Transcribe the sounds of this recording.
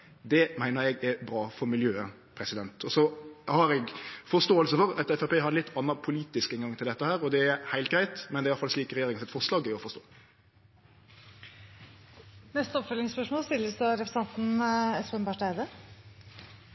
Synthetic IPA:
d̪ɛmæɪnəɾɛɡæɾbɾɑːfɔɾmɪljøːə | pʰɾɛsɪd̪ɛnt̪ʰɔsɔhɑɾɛɡfɔɾst̪oːəlsəfɔɾɑt̪ɛfæɪpeːhɑɾlɪt̪ʰːɑnːɑpʰʊliːt̪ɪskɛnɡɑŋt̪ʰɪld̪ɛt̪ːəhæːɾɔd̪ɛæɾhæɪl̚ɡɾæɪt̪mɛnd̪ɛɾɑfɑlsliːkɾɛjeːɾɪŋənsɪt̪fɔʁʂlɑːɡɪɔfɔst̪o̰ː | nɛst̪əɔpfœlɪŋspœʂmoːlst̪ɪlːəsd̪ɔɾɛpɾsɛnt̪n̩ɛspənbɑʂɖæɪd̪ə

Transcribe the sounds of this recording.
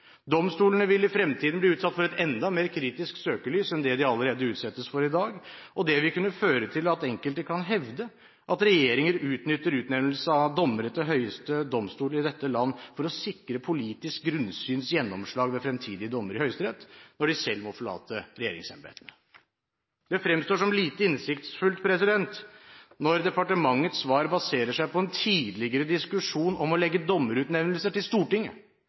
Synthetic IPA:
d̪ɔmst̪uːlənəʋɪlɪfɾɛmt̪ʰiːd̪n̩bliːʉːt̪sɑt̪ːfɔɾɛt̪ɛnd̪ɑmeːɾkʰɾiːt̪ɪsksøːkəɭyːsɛnd̪ɛd̪ɪɑləɾeːd̪əʉːt̪sɛt̪ːəsfɔɾɪd̪ɑːɡʔɔd̪ɛʋɪkʉnːəføːɾət̪ʰɪlɑt̪ɛŋkəlt̪əkʰɑnɦɛʋd̪ə | ʔɑt̪ɾɛjeːɾɪŋəɾʉːt̪nʏt̪ːəɾʉːt̪nɛml̩səɑd̪ɔmːəɾət̪ːɔɦœʏəst̪əd̪ɔmst̪uːləɾɪd̪ɛt̪ːəlɑnːfɔɾɔsɪkɾəpʰʊliːt̪ɪsk̚ɡɾʉnsyːnsjɛnːɔmʂɭɑːɡʋɛfɾɛmt̪ʰiːd̪ɪəd̪ɔmːəɾɪhœʏst̪əɾɛt̪ːnɔɖɪsɛlːmɔfɔɭɑ̰ːt̪əɾɛjḛːɾɪ̰ŋsɛnbḛːt̪ənə | d̪ɛfɾɛmst̪oːʂɔmliːt̪əɪnsɪkt̪sfʉlt̪pʰɾɛsɪd̪ɛnt̪nɔɾd̪ɛpɑʈəmɑŋːət̪sʋɑːɾbɑseːɾəʂæɪpʰɔɛnt̪ʰiːd̪lɪɡəɾəd̪ɪskʉʂuːnɔmɔlɛɡːəd̪ɔmːəɾʉːt̪nɛʋnəlsəʈɪlst̪uːʈɪŋːə̰

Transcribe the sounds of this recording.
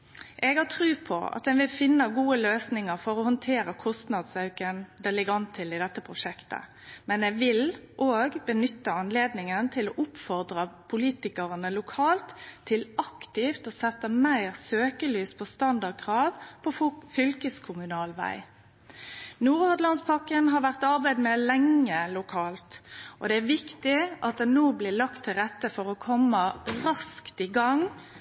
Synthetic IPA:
ʔɛɡhɑt̪ʰʁʉːpʰɔ̰ɑ̰t̪̚d̪ɛnʋɪlfɪnːɑɡuːəløːsnɪŋəʁfɔʁɔhɔnt̪ʰeːɾəkʰɔst̪nɑd̪sɑʉkənd̪ɛlɪɡɑnt̪ʰːɪlɪd̪ɛt̪ːəpʰʁʊʂɛkt̪ə̰ | mɛnɛɡʋɪlʔoːɡbənʏt̪ːəɑnleːd̪nɪŋənt̪ʰɪloːʔʊpfɔʁd̪ʁəpʰʊliːt̪ɪkəʁənəlʊkʰɑːlt̪ʰːɪlɑkt̪ɪft̪ɔsɛt̪ːəmæɪʁsøːkəlyːspʰɔst̪ɑnd̪ɑʁd̪̚kʰʁɑːʋpʰɔfʏlkəskʰʊmʉnɑːlʋæ̰ɪ | nuːʁɑd̪lɑnspʰɑkənɦɑʋæʁt̪ɑʁbæɪd̪mɛlɛŋːəlʊkʰɑːlt̪ʔɔ̰d̪ɛæʋɪkt̪ɪʔɑt̪̚d̪ɛnnoːblɪlɑkt̪ʰːɪlʁɛt̪ːəfɔʁɔkʰɔmːəʁɑskt̪ɪɡɑŋ

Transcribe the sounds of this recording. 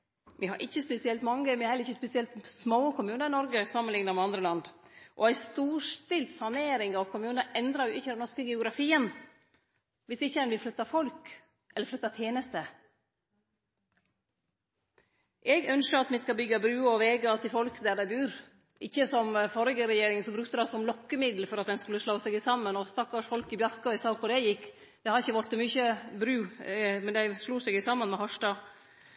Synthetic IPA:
ʋɪhɑ̰ɾʔɪçːəspɛsɪɛlt̪mɑŋɡəmɛhɛləɾɪçəspɛsɪɛlt̪smoːkʰʊmʉːnəɾɪnɔɾɡəsɑmənlɪŋnəɾmɛɑnd̪ɾəlɑnd̪ʔɔ̰æɪst̪uːʂt̪ɪlt̪sɑneːɾɪŋɑʋkʰʊmʉːnəʔɛnd̪ɾɑɾjʊʔɪçːəd̪ɛnnɔʂkəɡɛʊɡɾɑfiːən | ʋɪsɪçːəɛnʋɪlflʏt̪ːɑfɔlk | ʔɛləflœt̪ːɑt̪ʰjeːnəst̪ə | ʔɛɡœnʃəɾɑt̪mɛskɑbʏɡːɑbɾʉːɔʋeːɡəɑt̪ʰɪfɔlkd̪æɖ̪æɪbʉːɾ | ʔɪçːəsɔmfɔɾɪɡəɾɛjeːɾɪŋənsɔmbɾʉkt̪əd̪ɑsɔmlɔkːəmɪd̪l̩fɔɾɑt̪̚d̪ɛnskʉləʂɭoːsɛɡɪsɑmːənɔst̪ɑkːɑʂfɔlkɪbjɑɾkɑɪsɑːkʰʊɖ̪æɪjɪkː | d̪̥ɛhɑɾɪçəʋɔɾt̪ːɔmyçəbɾʉːmɛnd̪æɪʂluːsɛɡɪsɑmːənmɛhɔʂʈɑ

